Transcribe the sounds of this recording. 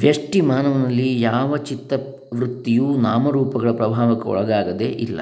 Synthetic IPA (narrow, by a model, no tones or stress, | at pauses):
ʋjɐʂʈimaːnɐʋɐnɐlːijaːʋɐt͡ʃit̪ːɐ | ʋɾut̪ːijuːnaːmɐɾuːpɐɡɐɭɐpɾɐbʱaːʋɐkːeɔ̰ɭɐɡaːɡɐd̪ḛʔilːɐ̰